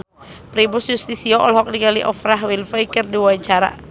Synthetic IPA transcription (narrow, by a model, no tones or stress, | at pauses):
pɾibʊsjust̪isiɔʔɔlɦɔk̚niŋaliʔɔfɾaɦwilfəjkərdiwaɲt͡ʃaɾa̰